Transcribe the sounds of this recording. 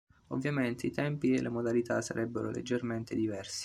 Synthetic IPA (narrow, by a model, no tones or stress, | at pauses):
o̰vːjament̪eit̪ɛmpielːʔemod̪alit̪asa̰ɾʔɛbːeɾo̰lʔḛd͡ʒːerment̪ed̪ivɛrsi̥